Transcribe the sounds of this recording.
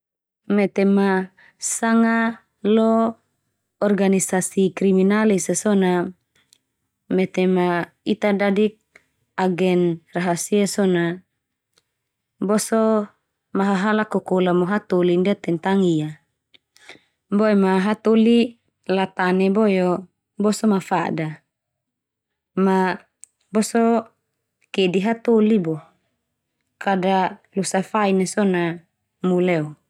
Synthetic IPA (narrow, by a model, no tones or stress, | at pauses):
mɛt̪ema | saŋa | lɔː | rɡanisasikɾiminalisasɔna | mɛt̪ema | it̪adadik̚ | aɡɛnraɦasiasɔna | bɔsɔ | maɦaɦalakokolamoɦat̪olindiat̪ɛnt̪aŋija | bɔɛmaɦat̪oli | lat̪anɛbɔjɔ | bɔsɔmafada | ma | bɔsɔ | kediɦat̪olibɔ | kadalusafainesɔna | mulɛɔ